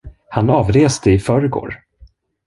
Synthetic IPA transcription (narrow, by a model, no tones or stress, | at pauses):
hanɑːvɾeːst̪əɪfœːɾəɡo̰ːɾ